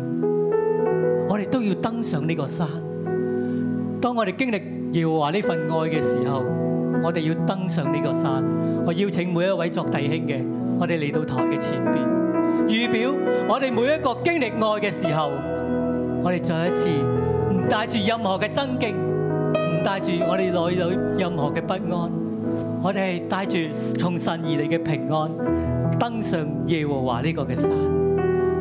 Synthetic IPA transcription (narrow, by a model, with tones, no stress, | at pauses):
ŋɔː˨˧ɾe˨jt̪o˥wji˧wt̪ɐ˥ŋsœː˨˧ŋniː˥kɔː˧saː˥n | t̪ɔː˥ŋːɔː˨˧t̪e˨jkɪ˥ŋlɪ˨k̚ | jɛː˨˩wɔ˨˩waː˨˩niː˥fɐ˨nŋɔː˧jkɛː˧siː˨˩ɦɐ˨wŋɔː˨˧t̪e˨jiː˧wt̪ɐ˥ŋsœː˨˥ŋniː˥kɔː˧saː˥nŋɔː˨˧ji˧wt͡sʰɪ˨˥ŋmu˨˧jɐ˥t̚wɐ˨˥jt͡sɔː˧k̚t̪ɐ˨jhɪ˥ŋkɛː˧ | ŋɔː˨˧t̪e˨jle˨˩jt̪o˧wt̪ʰɔ̰ː˨˩ŋkɛː˧t͡sʰiː˨˩npiː˨˧njyː˨piː˨˥wŋɔː˨˧t̪e˨jmu˨˥jɐ˥t̚kɔː˧kɪ˥ŋlɪ˨k̚ŋɔː˧jkɛː˧siː˨˩ɦɐ˨w | ŋɔː˨˧t̪e˨˩jt͡sɔː˧jɐ˥t͡sʰiː˧m̩˨˩t̪aː˧jt͡ʃyː˨jɐ˨˧mhɔː˨˩kɛː˧t͡sɐ˥ŋkɪ˥ŋm̩˨˩t̪aː˧jt͡ʃyː˨˩ŋɔː˨˧ɾe˨jlɔː˨˧j̪o˨˧wjɐ˨˧mhɔː˨˩kɛː˧pɐ˥t̚ŋɔː˥n | ŋɔː˨˧t̪e˨ɐ˨˩jt̪aː˧jt͡ʃyː˨ | t͡sʰʊ˨˩ŋsɐ˨njiː˨le˨jkɛː˧pʰɪ˨˩ŋːɔː˥nt̪ɐ˥ŋsœː˨˧ŋjɛː˨˧wɔː˨˩wa̰ː˨liː˥kɔː˧kɛː˧saː˨˩˨n